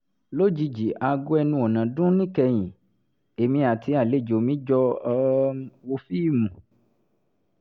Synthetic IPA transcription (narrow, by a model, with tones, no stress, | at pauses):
lo˦d͡ʒi˧d͡ʒi˨ʔa˧ɡu˦ɛ˧nũ˧ɔ˨nã˨dũ˦nĩ˦kɛ˧j̃ĩ˨ | e˨mĩ˧a˨tʰi˧a˨le˨˦˨d͡ʒo˨mĩ˨˦d͡ʒɔ˧ | wo˧fi˦˨mũ˨